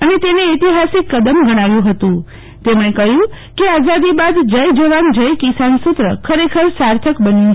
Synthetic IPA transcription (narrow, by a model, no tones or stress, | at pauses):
ənet̪eneːt̪iɦasikːəd̪əmɡəɽ̃aʋjũɦət̪ũ | t̪emɽ̃ẽkəjũ | keazad̪ibad̪d͡ʒəjd͡ʒəʋand͡ʒəjkisansʊt̪ɾəkʰəɾekʰəɾsaɾt̪ʰəkbənjũ